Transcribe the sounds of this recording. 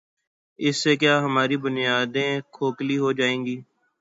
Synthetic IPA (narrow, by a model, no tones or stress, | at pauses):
ɪsːeːkjaːɦəmaːɾiːbʊnɪjaːd̪ẽːkʰoːkliːɦoːd͡ʒaːẽːɡiː